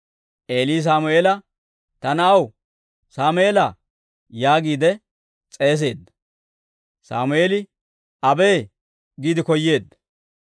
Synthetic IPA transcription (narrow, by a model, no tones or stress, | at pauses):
ʔe̞ːliːs̬aːmʊeːlɐ | t̪ɐnɐːw | saːmʊeːlɐ | jaːɡiːd̪ɛ | t͡sʼe̞ːs̬e̞ːd̪ːɐ | sa̰ːmʊeːlɪ | ɐbe̞ː | ɡiːd̪ɪkɔjːe̞ːd̪ːɐ̥